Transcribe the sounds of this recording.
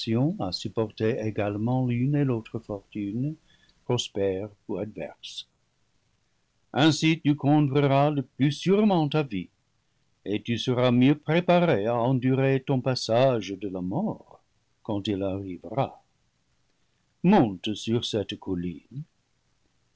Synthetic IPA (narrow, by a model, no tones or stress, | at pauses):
jɔ̃asypɔʁt̪eeɡalmɑ̃lynelot̪χəfɔʁt̪yn | pχɔspɛʁuad̪vɛ̰ʁs | ɛ̃sit̪ykɔ̃tʁəʁaləplysyʁmɑ̃t̪avi | et̪ysəʁamjøpχepaʁeaɑ̃d̪yʁet̪ɔ̃pasaʒd̪əlamɔʁ | kɑ̃t̪ilaʁivʁa̰ | mɔ̃t̪syʁsɛt̪kʰɔlḭn